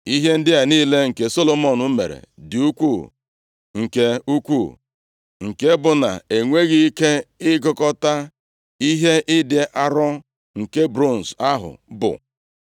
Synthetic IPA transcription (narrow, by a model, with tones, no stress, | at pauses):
i˦ɦe˦n̩˦dɪ˦a˨niː˦le˦ŋ̩˨ke˨so˦lo˨mo˦nʊ˦mḛ˨ɾḛ˨dɪ˨u˦kʷu˦˨ | ŋ̩˨ke˦u˦kʷu˦˨ | ŋ̩˨ke˦bʊ˨na̰˨e˨ŋʷe˦ɣi˦i˦ke˦ɪ˦ɡɔ˦kɔ˦ta˦ | i˦ɦe˦ʔɪ˦dɪ˨ʔa˦ɾɔ˦ | ŋ̩˨ke˦bɾo˦˨n̩˨sa˦ɦʊ̰˨bʊ̰˨